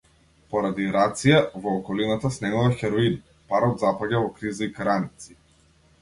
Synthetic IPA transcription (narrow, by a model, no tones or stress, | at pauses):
pɔɾad̪iɾat̪sijavɔːkɔlinat̪asnɛmavaxɛɾɔin | paɾɔd̪zapaɟavɔkɾizaikaɾanit̪si̥